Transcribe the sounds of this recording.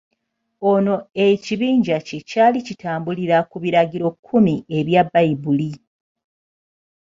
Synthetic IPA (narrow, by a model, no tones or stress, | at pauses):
o̞no̞e̞ciβiːɲɟacecaːlicitaːmbuliɾakuβiɾaɟiɾo̞kʰːumie̞βjabːaibuli